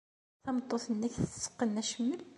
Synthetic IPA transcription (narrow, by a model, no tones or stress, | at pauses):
θæmət̪ˤːoθənːæçθə̥sə̥qːənːæʃəmːəl